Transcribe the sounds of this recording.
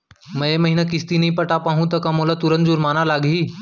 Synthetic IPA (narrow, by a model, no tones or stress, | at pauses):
məjeməɦinak̬ist̪inɐɦĩpəʈapaɦũt̪əkamolat̪uɾə̃nt̪d͡ʒuɾmaːnalaɡʱiː